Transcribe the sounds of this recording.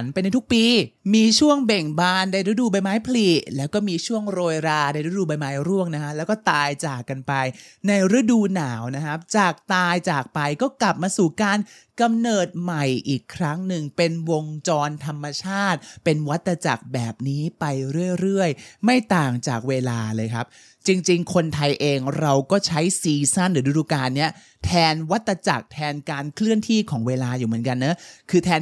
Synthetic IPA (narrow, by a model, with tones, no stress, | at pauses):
npa˧jna˧jt̪ʰu˦˥k̚piː˧miː˧t͡ɕʰu˥˩əŋbe˨˩ŋbaː˧nda˧jɾa˦˥duː˧ba˧jmaː˦˥jpʰli˨˩lɛː˦˥wkɔː˥˩miː˧t͡ɕʰu˥˩əŋɾoː˧jɾaː˧da˧jɾa˦˥duː˧ba˧jmaː˦˥jɾu˥˩əŋna˦˥kʰa˦˥lɛː˦˥wkɔː˥˩t̪aː˧jt͡ɕaː˨˩kːa˧npa˧jna˧jɾa˦˥duː˧naː˩˦wna˦˥kʰa˦˥p̚t͡ɕaː˨˩k̚t̪aː˧jt͡ɕaː˨˩k̚pa˧jkɔː˥˩kla˨˩p̚maː˧suː˨˩kaː˧n | ka˧mnɤː˨˩t̪̚ma˨˩jʔiː˨˩kʰːɾa˦˥ŋnɯ˨˩ŋpe˧nwo˧ŋt͡ɕɔː˧nt̪ʰa˧mːa˧t͡ɕʰaː˥˩t̪̚pe˧nwa˦˥t̪ːɾa˧t͡ɕa˨˩k̚bɛː˨˩p̚niː˦˥pa˧jɾɯ˥˩əjɾɯ˥˩əjma˥˩jt̪aː˨˩ŋt͡ɕaː˨˩k̚weː˧laː˧lɤː˧jkʰa˦˥p̚ | t͡ɕi˧ŋt͡ɕi˧ŋkʰo˧nt̪ʰa˧jʔeː˧ŋɾa˧wkɔː˥˩t͡ɕʰa˦˥jsiː˧sa˥˩nɾɯː˩˦duː˧˦duː˧˩kaː˧nːi˦˥ɐ | t̪ʰɛː˧nwa˦˥t̪ːɾa˧t͡ɕa˨˩k̚t̪ʰɛː˧nkaː˧nkʰlɯ˥˩ənt̪ʰiː˥˩kʰɔː˩˦ŋweː˧laː˧juː˨˩mɯ˩˦ənka˧nːɯ˦˥kʰɯː˧t̪ʰɛː˧n